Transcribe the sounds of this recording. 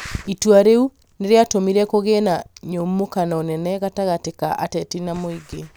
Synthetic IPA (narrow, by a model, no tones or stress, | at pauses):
itwaɾeu | neɾeatomiɾɛkoɣenaɲommːokanaonɛnɛɣataɣatekaʔatɛtinamoiɡe